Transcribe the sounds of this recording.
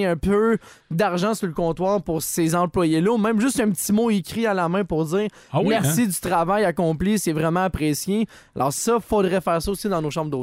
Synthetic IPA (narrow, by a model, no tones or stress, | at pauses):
œ̃pø | d̪aʁʒɑ̃suləkɔ̃t̪wɑːʁpʊʁsezɑ̃plwajelɔumɛ̃ɪmʒʏst̪œ̃ptt͡simoekʲʁialamɛ̃pʊʁd͡ziːʁ | mɛʁsid̪yt̪ʁavajakɔ̃plisɛvʁɛmãapʁesje | alʔɑ̰ːʁsʌfod̪ʁɛfɛːʁsɔosid̪ɑ̃noːʃɑ̃bʁd̪o